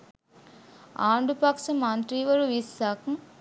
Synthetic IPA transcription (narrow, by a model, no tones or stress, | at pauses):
aːɳɖupaːksɐmant̪ɾiːʋɐɾuʋisːaːkɐm